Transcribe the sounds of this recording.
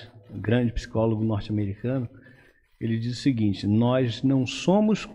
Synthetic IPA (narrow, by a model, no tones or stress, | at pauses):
ɡɾɐ̃d͡ʒɪpsi̥kɔloɡʊnɔɾt͡ʃameɾikɐ̃nʊ | elɪd͡ʒizʊsɪɡĩt͡ʃɪnɔznɐ̃w̃sõmʊs